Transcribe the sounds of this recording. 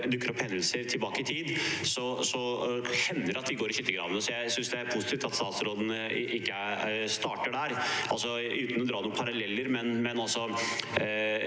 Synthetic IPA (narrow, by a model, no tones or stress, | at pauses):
d̪ʉkːəɾɔphɛnd̪əlsəɾt̪ʰɪlbɑːkəɪt̪ʰiːd̪sɔsɔhɛnːəɾɑt̪̚d̪ɪɡoːɾɪçɪt̪ːəɡɾɑ̰ːd̪ənəsɔjæɪsʏnsd̪ɛæɾpʰʊsɪt̪ʰift̪ɑt̪st̪ɑːt̪sɾoːd̪nʔɪkːə | st̪ɑːʈəɖæɾʔɑlsɔʉːt̪ənɔd̪ɾɑːd̪pʰɑɾɑlɛlːəɾmɛnmɛnɑlsɔ